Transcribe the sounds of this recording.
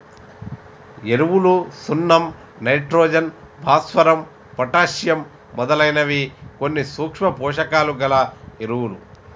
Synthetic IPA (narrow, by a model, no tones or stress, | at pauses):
e̞ɾuwulusunːɐm | nɐjʈɾoːd͡ʒɐn | bʱaːsʋɐɾɐm | pɐʈaːʃjɐmː | ɔd̪ɐlɐjnɐʋikonːisuːkʂmɐpɔːʂɐkaːluɡɐlɐeɾuwulu